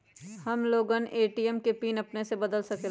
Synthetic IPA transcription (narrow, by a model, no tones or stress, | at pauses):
hɐmloːɡənʔeːʈiɛmkepiːnɐpnesebɐd̪əlsɐke